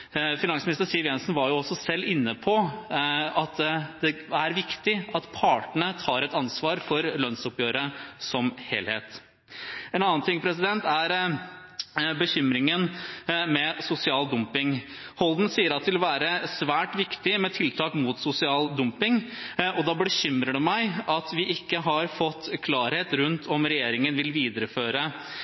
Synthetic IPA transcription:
fɪnɑŋsmɪnɪst̪əɾsɪʋjɛnsn̩ʋɑɾjʊɔsːɔsɛlːɪnːəpʰɔ | ɑt̪d̪ɛæɾʋɪkt̪ɪɑt̪pʰɑːʈəɳət̪ʰɑːɾɛt̪ɑnsʋɑːɾfɔɾlœnsɔpjøːɾəsɔmhḛːlheːt̪ | ɛnɑnːənt̪ʰɪŋpʰɾɛs̬ɪd̪ɛnt̪æɾ | bəçʏmɾɪŋənmɛsʊsɪɑːld̪ʊmpɪŋ | hɔld̪n̩siːəɾɑt̪ʋɪlɔʋæːɾəsʋæːʈʋɪkt̪ɪmɛt̪ʰɪlt̪ʰɑːkmut̪sʊsɪɑːld̪ʊmpɪŋɔd̪ɑb̪ɛɕʏmɾəɖʉmæɪʔɑt̪ʋɪʔɪkːəɦɑɾfɔt̪ːkʰlɑːɾheːt̪ɾʉnt̪ʰɔmɾɛjeːɾɪŋənʋɪlʋiːd̪əɾəføːɾə

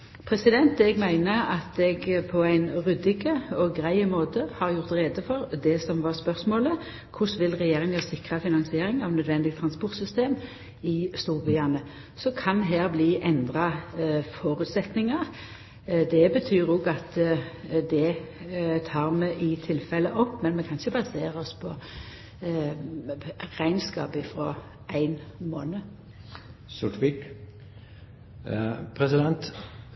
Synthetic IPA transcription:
pʰɾɛsɪd̪ɛnt̪ɛɡmæɪnəɑt̪ɛɡpʰɔæɪnʁʉd̪ɪɡəɔɡɾæɪmoːt̪əhɑʁjʊʁt̪ʁeːd̪əfɔʁd̪ɛsɔmʋɑʁspœʁsmoːlə | kʰʊsʋɪlʁɛjeːɾʁɪŋjɑsɪkʁɑfɪnɑŋsɪeːɾɪŋɑʋnœd̪ʋɛnd̪ɪɡt̪ʰʁɑnspʊʁt̪sʏst̪eːm | ɪst̪uːbɪɑnə | sɔkʰɑnɦæːʁbliːʔɛnd̪ʁɑfɔɾʉt̪sɛt̪nɪŋɑʁ | d̪ɛbət̪ʰyːɾoːɡɑt̪ | d̪ɛ | t̪ʰɑːʁmɛʔɪt̪ʰɪlfɛlːəʔɔpːmɛnmɛkʰɑnçəbɑseːʁəɔspʰɔ | ʁæɪnskɑ̰ːpɪfɾɔ | æɪnmoːnə | sʊʈ̪ʋɪk | pʰɾɛsɪd̪ɛnt̪

